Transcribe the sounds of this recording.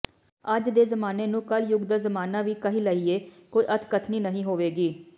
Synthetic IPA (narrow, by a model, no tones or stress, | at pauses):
əd͡ʒd̪eːzəmaːneːnũːkəljʊɡd̪azəmaːnaːʋiːkəɦĩːləiːeːkoːiːʔət̪ʰkət̪ʰniːnəɦĩːɦoːʋeːɡiː